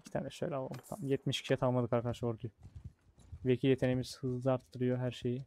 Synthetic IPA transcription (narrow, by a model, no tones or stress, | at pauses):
icʰi̥t̪ʰa̰ːnɛʃøjlʲɛalˠo̰mt̪ʰa̰mjɛt̪miʃcʰʲiʃɛt̪ʰalˠmad̪ɯkaɾkʰad̪aʃoɾd̪uj | becʰijet̪ʰenemiz̥hɯzlˠɯaɾt̪ːɯɾɯjoɦæɾʃeji